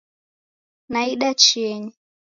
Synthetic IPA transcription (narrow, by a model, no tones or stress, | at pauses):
naiɗat͡ʃiɛɲi